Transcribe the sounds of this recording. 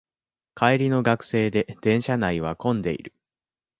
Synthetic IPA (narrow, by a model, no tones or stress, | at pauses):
kʰaeɾʲino̞ɡakɯ̟̥se̞ːd̪e̞d̪̥ẽ̞ɰ̃ɕanaiβ̞akõ̞nd̪e̞̰ḭɾɯ̟